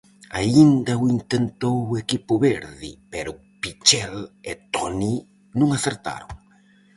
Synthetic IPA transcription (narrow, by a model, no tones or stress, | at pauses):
aind̪ɐuint̪ent̪owekipʊβeɾðɪ̰peɾʊ | pit͡ʃɛlet̪ɔni | nũŋaθeɾt̪a̰ɾoŋ